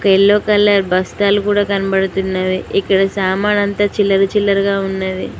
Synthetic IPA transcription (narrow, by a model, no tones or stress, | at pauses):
ɔkɐilːoːkɐlːaːɾbɐst̪aːlukuːɽaːkɐnɐbɐɽut̪unːaɾiikːɐɽɐsaːmaːnɐnt̪aːt͡ʃilːɐɾut͡ʃilːɐɾuɡaːunːadi